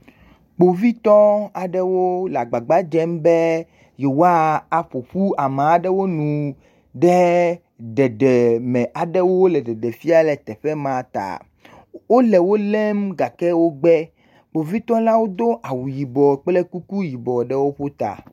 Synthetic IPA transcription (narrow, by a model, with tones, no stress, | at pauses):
k͡po˨vi˦t̪ɔ˦a˨ɖɛ˦wo˦la˨ɡ͡ba˨ɡ͡ba˦d͡ʒɛ˦mbɛ˦ | jɛ˨wo˦a˦a˨ɸo˨ɸu˦a˨mã˨a˨ɖɛ˦wo˦nũ˨ | ɖɛ˦ | ɖɛ˨ɖɛ˨mɛ̃˨ʔa˨ɖɛ˦wo˦wlɛ˨ɖɛ˨ɖɛ˨fi˦a˦lɛ˨t̪ɛ˨ɸɛ˦mã˨t̪a̰˨ | wo˦lɛ˨wo˦lɛ˦mɡa˨kɛ˦wo˦ɡ͡bɛ˦ | k͡po˨vi˦t̪ɔ˦la˦wo˦d̪o˦ʔa˨wu˨ji˨bɔ˨k͡plɛ˦ku˦ku˦ji˨bɔ˨ɖɛ˦wo˦ɸo˦t̪a̰˨